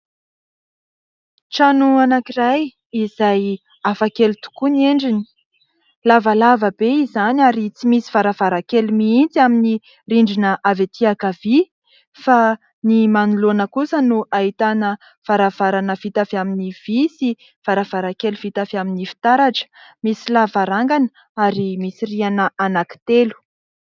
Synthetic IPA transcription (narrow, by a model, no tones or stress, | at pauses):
ʈ͡ʂanuanakiraj | izaj | afakelut̪u̥kuneɳɖ͡ʐini̥ | lavalavəbeizanaɾit͡simisi̥vaɾavaɾakelmiint͡siamini | riɳɖ͡ʐinəʔavet̪ʰiakavi | fa | nimanulonəkusənuʔaɦit̪anə | v̥aɾav̥aɾanəvit̪afaminiv̥isi | v̥aɾav̥aɾakeluv̥it̪afaminifi̥t̪aɾaʈ͡ʂə̥misilavaɾaŋɡanə | aɾimisirianəʔanaki̥t̪elu̥